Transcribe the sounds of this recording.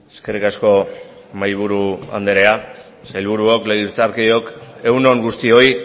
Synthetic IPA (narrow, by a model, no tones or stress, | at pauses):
eske̞rikasko̞ | majβ̞uɾua̰nd̪eɾe̞a | sajlβuɾuokleɣiɾt͡saɾkeo̞ke̞wno̞ŋɡust̪io̞j